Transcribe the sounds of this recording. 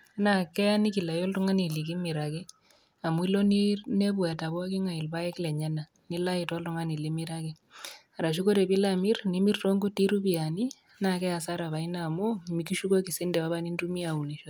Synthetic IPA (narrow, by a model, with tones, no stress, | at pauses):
na˨kɛ˦a˦ni˦ki˨la˨jɔ˦ltɔ˦ŋa˦ni˨li˨ki˦mi˨ɾa˨kɛ˦ | a˨m˦i˦lɔ˦ninɛ˦bwɛ˨ta˨bwa˦ki˦ŋa˨i˨lba˦jɛ˦klɛ˨ɲɛ˦na˨ | ni˦la˦ji˨tɔ˦ltɔ˦ŋa˦ni˨li˦mi˦ɾa˦kɛ˦ | a˨ɾa˨ʃ̬u˦ko˦ɾɛ˨bi˦la˨mi˦rni˦mi˦rtɔ˦ŋɡu˦ti˦ɾu˦bi˨a˨ni˦ | na˨kɛ˦ja˨sa˦ɾa˨βa˨i˦na˦˨mu˦mi˨ki˦ʃu˦ko˦ki˨si˦ndɛ˨βa˦βa˦ni˦ntu˦mi˦a˨u˨ni˨ʃɔ˦t